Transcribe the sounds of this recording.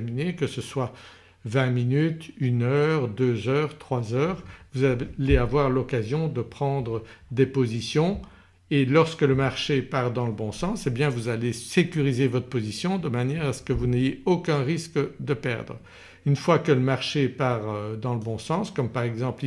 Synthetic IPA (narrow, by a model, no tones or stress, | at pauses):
minekəsəswa | vɛ̃minyt̪ynœʁd̪øzœːʁt̪χwazœːʁvuzaleavwaʁlɔkazjɔ̃d̪əpχɑ̃d̪ʁəd̪epozisjɔ̃ | elɔʁskələmaʁʃepaʁd̪ɑ̃ləbɔ̃sɑ̃sebjɛ̃vuzalesekʲyʁizevɔt̪χə̥pozisjɔ̃d̪əmanjɛʁasə̥kəvunejeokɛ̃ʁiskd̪əpɛ̰ʁd̪ʁ | ynfwakələmaʁʃepaʁd̪ɑ̃ləbɔ̃sɑ̃skɔmpaʁɛɡzɑ̃pi